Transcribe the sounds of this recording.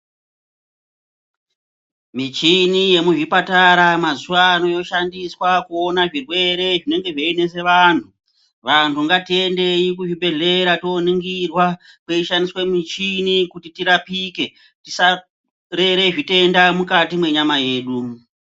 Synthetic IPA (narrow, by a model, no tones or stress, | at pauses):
mit͡ʃinije̞muʐipataɾamazuʋaːno̞jo̞ʃandiswakuonaʐirwe̞ɾe̞ʐine̞ŋɡe̞ʐeːne̞se̞ʋantʰu | ʋantʰuŋɡatie̞nde̞ikuʐibe̞ɮe̞ɾatooniŋɡirwa | kweiʃandiswe̞mit͡ʃinikutitiɾapike̞ | tisa | ɾe̞ɾe̞ʐite̞ndamukatimwe̞ɲamaje̞ːɗu